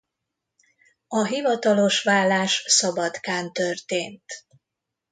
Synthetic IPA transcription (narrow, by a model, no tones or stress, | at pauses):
ɒɦivɒt̪ɒlo̞ʃʋaːlːaːʃsɒbɒt̪kaːnt̪ørt̪eːnt̪